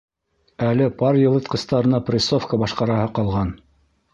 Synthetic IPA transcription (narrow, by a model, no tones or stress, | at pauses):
ælɘpɑɾjɤ̆lˠɤt̪qɤ̆st̪ɑɾɤ̆nɑprʲɪsofkəbɑʃqɑɾɑhɤqɑlˠʁɑn